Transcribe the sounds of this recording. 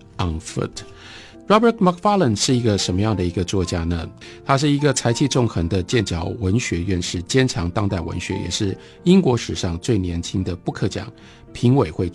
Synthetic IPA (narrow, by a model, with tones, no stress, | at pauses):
a˥˧˩ŋfə̰˥˩t | ɹɔ˥bə˞˨˥t̪mɑ˥k̚fa˥lə˨˩nʂɻ̩˥˩i˧˥ɡə˧ʂə˧˥nmə˧jɑ˥˩ŋd̪ə˩i˧˥ɡə˧t͡swɔ˥˩t͡ɕja˥nə˨ | t̪ʰa˥ʂ̬ɻ̩˥˩i˧˦˥ɡə˧t͡sʰa˧˥ɪt͡ɕʰi˥˧ʈ͡ʂʊ˥˧˩ŋxə˧˥ŋd̪ə˧t͡ɕjɛ˥˩nt͡ɕjɑ˨˩ʊwə˧˥nɕɥɛ˧˥ɥɛ˥˧nʂɻ̩˥˩t͡ɕjɛ˥nʈ͡ʂʰɑ˧˥ŋt̪ɑ˥ŋt̪a˥˩ɪwə̰˧˦nɕɥɛ̰˧˥jɛ̰˨˩ʂɻ̩˥˩ | i˥ŋkwɔ˧˥ʂɻ̩˨˩ʂɑ˥˧ŋt͡swe˥˩ɪnjɛ˧˥nt͡ɕʰi˥ŋd̪ə˨pu˥˧kʰɤ˥˩t͡ɕjɑ̰˨˩ŋ | pʰi˧˥ŋwe˨˩ɪxwe˥˧ɪ